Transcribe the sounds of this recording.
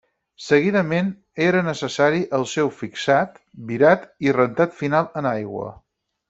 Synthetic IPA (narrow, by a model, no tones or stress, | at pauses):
səɣiðəmen | eɾənəsəsaɾiʔəlˠsɛwfiksat̪ | biɾat̪irənt̪at̪finalˠənajɣwə̰